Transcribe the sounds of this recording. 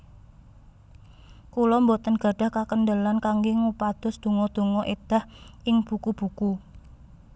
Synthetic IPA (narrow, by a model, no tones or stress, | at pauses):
kulɔmbot̪ənɡ̥a̤ɖ̥a̤hkakəndəlankaŋɡeŋupad̪̥ɔ̤sd̪̥o̤ŋɔd̪̥o̤ŋɔʔed̪̥a̤hʔɪŋb̥ubkub̥ṳku